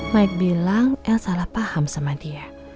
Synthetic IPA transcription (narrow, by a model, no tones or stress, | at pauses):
maik̚bilaŋʔɛlsalahpahamsamadir